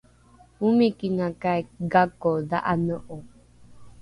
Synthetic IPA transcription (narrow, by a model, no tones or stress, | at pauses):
umĩkinãkaeɡakoðaʔanoʔo